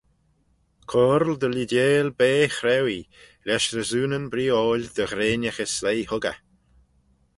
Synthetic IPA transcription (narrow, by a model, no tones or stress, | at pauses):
kʰɔɾld̪əlid̪jeːlbeːxɾɛwi | lɛʃɾəzuːnənbɾiːoːlʲd̪̥əɣɾeːnəxəslejhʊɡa̰